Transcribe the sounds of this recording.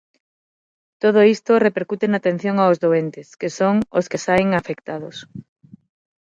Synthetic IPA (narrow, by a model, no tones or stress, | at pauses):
t̪oð̞ʊist̪orepeɾkut̪enat̪en̟θjoŋaʊzðoent̪ɪskesoŋoskesajŋafekt̪aðʊs